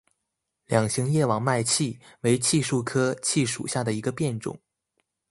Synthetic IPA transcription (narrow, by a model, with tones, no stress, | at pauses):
ljɑ˨˩ŋɕi˧˥ŋjɛ˥˩wɑ˨˩ŋma˥˧ɪt͡ɕʰi˥˩we˧˥ɪt͡ɕʰi˥˧ʂu˥˩kʰɤ˥t͡ɕʰi˥˩ʂṵ˨˩ɕja˥˩d̪ə˩i˧˥ɡə˧pjɛ˥˩nʈ͡ʂʊ̰˨˩˦ŋ